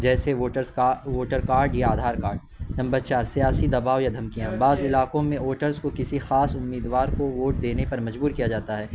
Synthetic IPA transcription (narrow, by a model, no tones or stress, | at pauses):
d͡ʒɛːseoːʈəɾzʋoːʈəɾkaːɾɖjaaːd̪ʱaːɾkaːɾɖ̚ | nɐ̃mbəɾt͡ʃaːɾsijaːsid̪ɐbaːʋjad̪ʱɐmkijãbaːzɪlaːkõmẽoːʈəɾzkokɪsixaːsʊmːiːd̪ʋaːɾkoʋoːʈ̚d̪eːnepɐɾmɐd͡ʒbuːɾkijad͡ʒaːt̪aɦɛː